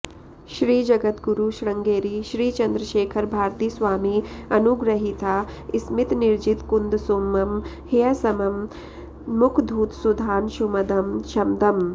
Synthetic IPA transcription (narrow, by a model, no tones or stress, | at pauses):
ʃɾiːd͡ʒɐɡɐt̪ɡuɾuʃɾɐŋɡeːɾiːʃɾiːt͡ʃɐnd̪ɾɐʃeːkʰɐɾbʱaːɾt̪iːsʋaːmiɐnuɡɾɐɦit̪ʰaːismit̪niɾd͡ʒit̪kund̪somːɐm | hijɐsɐmɐm | mukʰd̪ʱuːt̪sud̪ʱaːnʃumɐd̪ɐmʃʰɐmd̪ʱɐm